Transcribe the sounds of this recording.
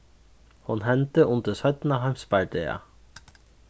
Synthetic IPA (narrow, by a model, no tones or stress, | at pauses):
hʊnhɛnt̪əʔʊnd̪əsœt̪n̩ɑːhɑɪmsbɑɖeːɑ̰